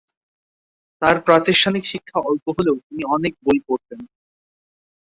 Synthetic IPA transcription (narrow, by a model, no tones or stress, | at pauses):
t̪aɾpɾat̪iʃʈʰanikʃikʰːaɔlpoɦoleot̪iniɔnek̚bojpoɾt̪en